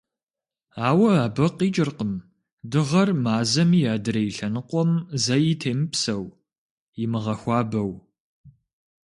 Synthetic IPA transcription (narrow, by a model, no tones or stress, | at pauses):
aːwɐaːbɐqiːt͡ʃʼɪrqəm | dɨʁɐrmaːzɐmijaːdɨɾɐjɪɬɐnɨqʷʼɔmzɐjitʰeːmɨpsɐw | jɪmɨʁɐxʷɑːbɐw